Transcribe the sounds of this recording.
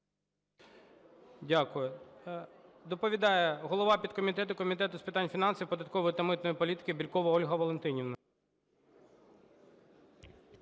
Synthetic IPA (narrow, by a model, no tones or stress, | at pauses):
dʲakʊjʊ | d̪ɔpɔʋʲid̪ɑjɛɦɔlˠɔʋɑpʲid̪̚kɔmʲit̪ɛt̪ʊkɔmʲit̪ɛt̪ʊspɪt̪ɑnʲfʲinɑnsʲɐwpɔd̪ɐt̪̚kɔʋɔjɪt̪ɐmɪt̪nɔjipɔlʲit̪ɪ̥kɪbʲilʲkɔʋɐɔlʲɦɐʋɔlˠent̪ɪnʲiʋnɐ